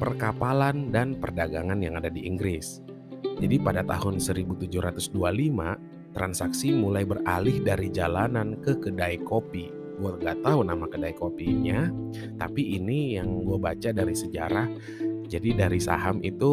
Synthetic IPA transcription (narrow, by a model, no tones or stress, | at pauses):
pərkapalandanpərdaɡaŋanjaŋadadiʔiŋɡɾɪs | d͡ʒadipadat̪a̰hʊnsəɾibut̪ud͡ʒʊhɾat̪ʊsdualima̰ | t̪ɾansaksimulajbəralɪhdaɾid͡ʒalanankəkədajkopi | ɡuaŋɡaʔt̪aɦunamakədajkopiɲa | t̪apiːnijaŋɡuabat͡ʃadaɾisəd͡ʒa̰ɾah | d͡ʒadidaɾisa̰ɦamʔit̪u